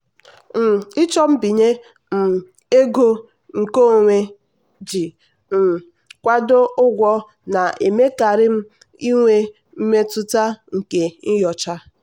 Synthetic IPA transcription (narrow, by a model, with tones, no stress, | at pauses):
m̩˨ɪ˦t͡ʃɔ˦m̩˦bi˨ɲe˦ | m̩˨ | e˦ɡo˦ | ŋ̩˨ko˦˨ŋʷe˦ | d͡ʒi˨ | m̩˨ | kʷa˦do˦ʔʊ˦ɡʷɔ˦ | na˨ʔe˨me˦ka˨ɾɪ˦m̩˦ | i˦ŋʷe˦ | m̩˦me˦tʊ˦ta˦ŋ̩˨ke˨n̩˦jɔ˨t͡ʃa˦